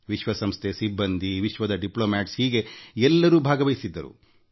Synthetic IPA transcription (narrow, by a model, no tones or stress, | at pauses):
ʋiʃʋɐsɐmst̪ʰesibːɐnd̪ʱiʋiʃʋɐd̪ɐɖiploːmaːʈshiːɡe̞ɛlːɐɾuːbʱaːɡɐʋɐjisid̪ːɐɾṵ